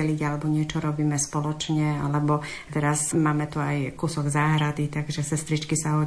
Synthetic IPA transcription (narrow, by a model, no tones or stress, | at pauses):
ɛliɟalɛbɔɲɪɛt͡ʃɔɾɔbiːmɛspɔlɔt͡ʃɲɛa̰lɛbɔ | t̪ɛɾasmaːmɛt̪uajkusɔɡzaːɦɾad̪it̪aɡʒɛsɛst̪ɾit͡ʃkisaɦɔ